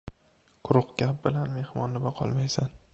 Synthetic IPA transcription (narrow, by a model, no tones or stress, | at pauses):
qʰʊɾʊqɡʲap̚bɪlanme̞hmɒnːɪbaqʰɒ̰lˠmajsan